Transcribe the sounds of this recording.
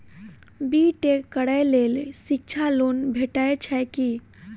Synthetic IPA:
biːʈekːəɽajleːlsɪk̚t͡ʃʰaloːnbʱeʈaet͡ʃʰɛki

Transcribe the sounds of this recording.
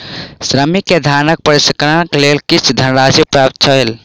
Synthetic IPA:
sɾəmiked̪ʱanək̚pəɾiskɾənklelkit͡ʃʰd̪ʱənɾasipɾap̚t̪̚t͡ʃʰəɦel

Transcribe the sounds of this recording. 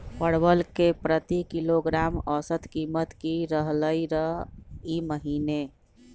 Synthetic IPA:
pəɽbəlkepɾət̪ikiloɡɾamɔsət̪kimət̪kiɾəɦləiɾəɦiməɦine

